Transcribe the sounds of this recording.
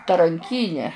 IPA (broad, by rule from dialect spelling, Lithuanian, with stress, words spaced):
tɐrɐŋʲˈkʲiːnʲɛ